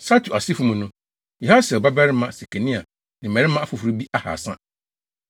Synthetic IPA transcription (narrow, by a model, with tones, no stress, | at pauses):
sa˦tʰu˨a˨si˦fũ˦mũ˨nʊ̃˦ | jɛ˨ɦa˦sɛ˨ɔ˨ba˦bɛ˦ɾɪ˦mã˦se˨kʰe˨nĩ˦a˨ | nɪ̃˨mɛ̃˨ɾɪ˦mã˦a˦fʊ˨fɾu˦bi˦ʔa˦ha̰˨sã̰˦